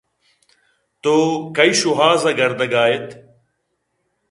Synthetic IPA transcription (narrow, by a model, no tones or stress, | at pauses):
t̪oːkɐiːʃuɦaːzɐɡɐɾd̪əɡaːjet̪